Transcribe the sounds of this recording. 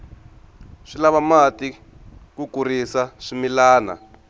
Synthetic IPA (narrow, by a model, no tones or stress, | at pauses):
ʂilaβamati | kukurisaʂimilaːna̰